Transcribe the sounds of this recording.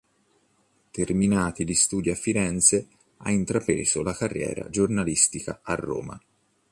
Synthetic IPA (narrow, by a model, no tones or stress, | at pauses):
t̪erminaːt̪ilist̪uːd̪iafːiɾɛnt̪se | a̰int̪ɾapɾḛːz̥olakarːjɛ̰ːɾa̰d͡ʒornalist̪ika̰arːo̰ːma̰